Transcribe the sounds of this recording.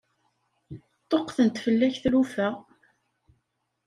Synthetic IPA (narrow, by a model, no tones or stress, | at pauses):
t̪ˤːoqθənt̪fəlːæçθlufæ